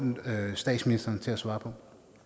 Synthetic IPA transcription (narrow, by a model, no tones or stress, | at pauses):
sd̥ɛ̰ːd̥sminisd̥ɐnt͡sʰe̝læsʋɑ̈ːpʰɒ̽